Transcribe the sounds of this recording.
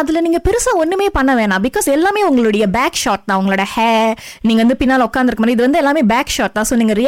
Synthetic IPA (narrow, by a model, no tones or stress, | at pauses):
ɐðɪlɐniːŋɡɐpɪɾɯsɐ̃ɔnːɯmeːpɐɳːɐʋeːɳãːbɪkːoːsɛlːaːmeːʊŋɡɐɭʊɽɐjɐbaːkʂaːʈ̚t̪ãːʊŋɡɐɭoːɽɐhɛːniːŋɡɐʋɐnd̪ɯpɪnːaːlʊkːaːnd̪ɪɾkːɐmaːɾj̃ɪðɯʋɐnd̪ɯɛlːaːmeːbaːkʂaːʈt̪ːãːsoːniːŋɡɐɾɪ